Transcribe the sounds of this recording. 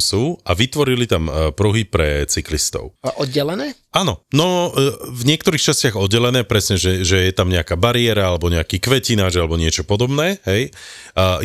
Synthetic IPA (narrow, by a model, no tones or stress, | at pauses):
suːaʋit̪ʋɔɾilit̪ampɾuɦipɾɛt͡siklist̪ɔ̰ʊlɛʔɔd̪̚ɟɛlɛnɛː | aːnɔnɔvɲɪɛkt̪ɔɾiːxt͡ʃascɪaɣɔd̪̚ɟɛlɛnɛːpɾɛsɲɛʒɛʒɛjɛt̪amɲɛakaːbaɾiɛɾaalɛbɔɲɛakiːkʋɛcinaːd͡ʒalɛbɔɲɪɛt͡ʃɔpɔd̪ɔbnɛːɦɛj